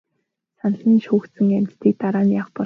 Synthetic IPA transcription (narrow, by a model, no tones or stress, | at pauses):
sanə̆ɮiːnʃuːxt̪sɘ̆ŋæm̥ʲt̪t̪iːk̚t̪aɾaːnjaːχpɔ